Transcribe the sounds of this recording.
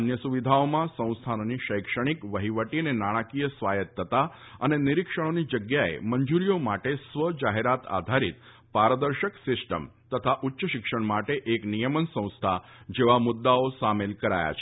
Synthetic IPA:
ənjəsuʋid̪ʱaomãsə̃w̃st̪ʰanniʃəjkʂəɽ̃ikʋəɦiʋəʈiənenaɽ̃akijəsʋajət̪ʰːət̪a | əneniɾikʂəɽ̃onid͡ʒəɡjaḛməɲd͡ʒuɾijomaʈesʋəd͡ʒaɦeɾat̪a̰d̪ʱaɾḭt̪ | paɾəd̪əɾʃəksɪsʈə̰m | t̪ət̪ʰaʔutːʃəʃikʂəɳ̃maʈeʔeknijəmənsə̃w̃st̪ʰad͡ʒeʋamud̪ːaosamelkəɾa̰ja̰t͡ʃʰe̥

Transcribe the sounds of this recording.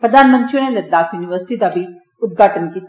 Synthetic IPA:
pɾəd̪aːnmə̃nt̪ɾiuneləd̪aːkjuːnɪʋəɾsɪ̥ʈid̪aːbiː | ʊt̪̚ɡaːʈənkit̪ː

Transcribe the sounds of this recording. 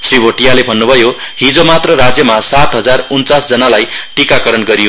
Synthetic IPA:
sribʱoʈijalebʱʌnːubʱʌjo | ɦĩd͡zomat̪rʌɾad͡zjʌmasat̪ɦʌd͡zarunt͡sasd͡zʌnalajʈikakʌɾʌnɡʌɾijo

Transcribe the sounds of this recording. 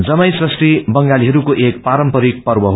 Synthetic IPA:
d͡zʌmʌjsʌsʈibʌŋɡaliɦʌɾukoʔek̚paɾʌmpʌɾik̚pʌrbʌɦ

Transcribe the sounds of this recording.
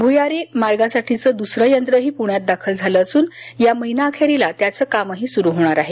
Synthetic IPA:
bʱujaɾemaɾɡasaʈʰit͡səːd̪usɾəjənt̪ɾəɦiːpuɳjat̪̚d̪akʰəld͡zʱaləːsuːnjaməɦinaːkʰaɾilat̪jat͡səːkaməɦiːsuɾuɦoɽ̃aɾaɦe

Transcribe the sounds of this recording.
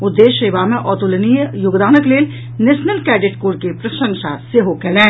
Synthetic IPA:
ʊd̪ːeːʃeːʋamẽʔɔːt̪ulənijjʊɡd̪aːnəkleːl | neːʃnəlkɛːɖɪʈkoːɾkepɾɐʃə̃ŋʃa̰seɦokɛːlɛ̃ː

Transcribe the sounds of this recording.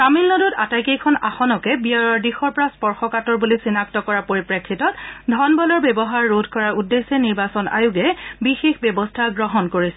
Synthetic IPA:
tamilnɔdutatajkejkʰɔna̰xɔnɔkɛbiaɹɔɹdixɔɹpɔɹaspɔɹxɔkatɔɹbulisinak̚tɔkɔɹapoɹipɹekʰːitɔt̚dʱɔnbɔlɔɹbɛbɔɦaɹːodʱkɔɹaɹudːesɛniɹbasɔna̰juɡɛbixexbjɔbɔstʰaɡɹɔɦɔnkoɹisɛ

